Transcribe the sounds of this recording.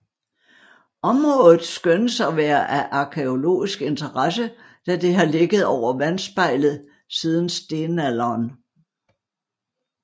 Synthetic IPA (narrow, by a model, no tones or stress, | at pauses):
ʔɒ̽mʁɔ̽ðð̩ˠsɡ̥ønəsɒʋæːɐʔæʔɑ̈kʰeo̝lo̝̰ːisɡ̥e̝nt͡sʰɐʁɑsə | d̥æd̥e̝ɦɑ̈le̝ɡ̥əð̞̩ˠɒʊ̰ɐʋænsb̥ɑ̈ɪ̰lð̞̩ˠ | sið̞ˠn̩sd̥e̝ːnælɐːn